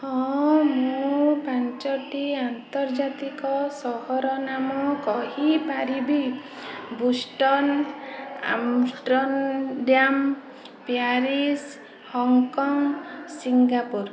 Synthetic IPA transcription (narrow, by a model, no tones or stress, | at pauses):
hɔ̃mũpant͡ʃɔʈiant̪ɔɾd͡ʒat̪ikɔsɔhɔɾɔnamɔkɔɦipaɾibi | busʈɔn | a̰msʈɾɔnɖjam | pijaɾis | hɔŋkɔŋsiŋɡapuɾ